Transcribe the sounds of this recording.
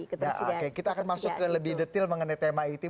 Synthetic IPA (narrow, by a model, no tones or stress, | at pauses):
akekit̪aːkanmasʊkːələbɪhdət̪ɪlməŋənajt̪emait̪u